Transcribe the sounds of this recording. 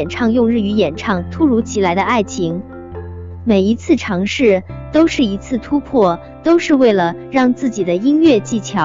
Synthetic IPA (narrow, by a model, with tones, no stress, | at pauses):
ɛ˨˩nʈ͡ʂʰɑ˥˧ŋjʊ˥˧ŋɻ̩˥˩y˧˥jɛ˨˩nʈ͡ʂʰɑ˥˩ŋt̪ʰu˥ɻu˧˥t͡ɕʰi˧˥la˧˥ɪd̪ə˧a˥˩ɪt͡ɕʰi˧˥ŋ | me˨˩ɪi˧˥t͡sʰɹ̩˥˩ʈ͡ʂʰɑ˧˥ŋʂɻ̩˥˩t̪o˥ʊʂɻ̩˥˩i˧˥t͡sʰɹ̩˥˩t̪ʰu˥pʰwɔ˥˩ | t̪o˥ʊʂɻ̩˥˧we˥˩ɪlə˩ɻɑ˥˧ŋt͡sɹ̩˥˩t͡ɕi˨˩d̪ə˦i˥nɥɛ˥˧t͡ɕi˥˩t͡ɕʰjɑ˧˥˦ʊ